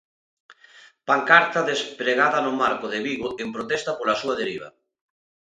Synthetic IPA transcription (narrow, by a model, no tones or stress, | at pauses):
paŋkaɾt̪aðespɾeɣaðɐnʊmaɾkʊðeβiɣʊʔempɾot̪ɛst̪apolasuɐðeɾiβ̞ɐa̰